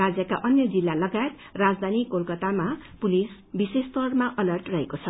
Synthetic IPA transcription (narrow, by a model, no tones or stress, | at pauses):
ad͡zjʌkaʔʌnjʌd͡zilːalʌɡaet̪ | rad͡zd̪ʱanikolkʌt̪amapulis | bisest̪ʌrmaʔʌlʌrʈrʌɦekot͡sʰʌ